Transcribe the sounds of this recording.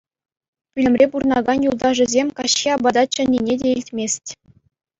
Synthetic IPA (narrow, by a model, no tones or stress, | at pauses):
pʲylʲɘ̆mʲrʲepurnɑɡɑnjulˠd̪ɑʐɘ̆zʲemʲkɑɕːiɑbɑd̪ɑt͡ɕɘ̆nʲːinʲedʲeilʲtʲmʲesʲtʲ